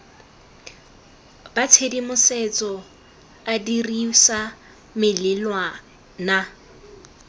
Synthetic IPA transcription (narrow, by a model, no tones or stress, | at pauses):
bat͡sʰedimʊset͡sʼɔ | adirisa | mɪlɪlwa | na